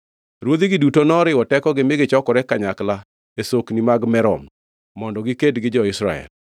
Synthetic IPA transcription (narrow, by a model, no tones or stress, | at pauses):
ɾwod̪iɡɪdutonɔɾɪɔtɛkɔɡɪmɪɡɪt͡ʃɔkɔɾɛkaɲakla | esoknimaɡmɛɾɔ̰mː | ɔndɔɡikedɡɪd͡ʒɔɪsɾaɛ̰l